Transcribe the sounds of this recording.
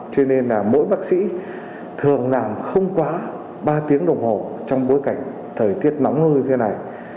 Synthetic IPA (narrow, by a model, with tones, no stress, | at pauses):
t͡ɕwi˧ne˧nlaː˨˩mo̰˧˥jɓaː˦˥k̚sḭ˧˥ | t̪ʰɨ˨˩əŋlaː˨˩mxə˧wŋ͡mkwaː˨˦ | ɓaː˧t̪i˨˦əŋɗə˨˩wŋ͡mho˨˩t͡ɕɔ˧wŋ͡mɓo˨˦jka˧˩jŋ̟ | t̪ʰəː˨˩jt̪i˦˥ət̚nɔ˨˦wŋ͡mŋɨ˧t̪ʰe˨˦na˨˩j